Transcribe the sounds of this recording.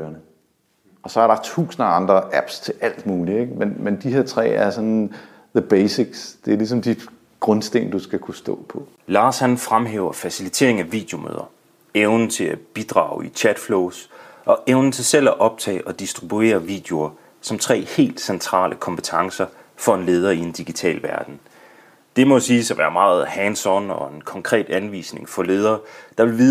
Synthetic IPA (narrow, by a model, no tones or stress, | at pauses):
ɐnə | ʔɒ̽sɒ̽æɐɾɑ̈t͡sʰṵːsn̩əɑ̈nd̥ʁɐæb̥st͡sʰe̝læl̰d̥muːlieɡ̥menmend̥ihe̝ɐt͡sʰʁɛ̰ːæɐsɒn | ðəb̥eːsiɡ̥sd̥e̝æɐlis̬ɒ̽md̥id̥ | ɡ̥ʁɔ̽nsd̥e̝̰ːnd̥usɡ̥ækʰusd̥ɔ̰̽ːpʰɒ̽ | lɑ̈ːshænfʁamɦḛːʊɐfæsilit͡sʰe̝̰ɐ̰eŋæʋḭːd̥jo̝mø̰ːð̞ˠɐ | eʊnt͡sʰe̝læb̥id̥ʁɑ̰̈ʊit͡ɕʰæd̥floʊsʔɒ̽ʔeʊnn̩t͡sʰe̝lsel̰æʔɒ̽b̥̚t͡sʰɛ̰ːʔɒ̽d̥isd̥ʁib̥ue̝̰ːɐʋḭːd̥e̝o̝ɐ | sɒ̽mt͡sʰʁɛ̰ːhe̝̰ːld̥sent͡sʰʁɑ̰̈ːlʔəkʰɒ̽mpʰə̥t͡sʰɑ̈ŋsɐ | fɒ̽e̝nle̝ːð̞ˠɐie̝nd̥iɡ̥it͡sʰɛ̰ːlʋæɐd̥n̩ | d̥e̝mɒ̽siːsæʋæːɐmɑ̈ːð̩ˠhɛnsɒnɒ̽e̝nkʰɒ̽ŋkʰʁɛ̰ːd̥ænʋḭːsne̝ŋfɒ̽le̝ːð̞ˠɐːd̥ɑ̈ʋe̝lʋiːð